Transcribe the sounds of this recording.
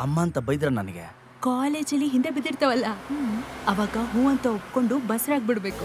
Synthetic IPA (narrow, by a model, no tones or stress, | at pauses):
ɐmːaːnt̪ɐbɐjd̪ɾɐnɐnɐɡḛ | kaːleːd͡ʒɐlːiɦind̪e̞bid̪iɾt̪ɐʋɐlːɐ | ɐʋaːɡɐɦuːɐnt̪ɐopko̞ɳɖubɐsɾaːɡ̚biɽbe̞ːku